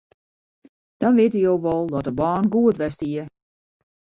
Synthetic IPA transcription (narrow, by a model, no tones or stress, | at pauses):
d̥ɔnʋɪətijowʋɔlˠdɔtdəbaːnɡuətʋɛstiə